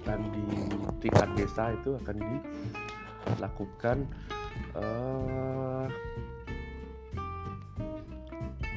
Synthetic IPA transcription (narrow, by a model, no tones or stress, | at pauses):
kandit̪iŋa̰t̪̚desait̪uakandi | lakukan | ə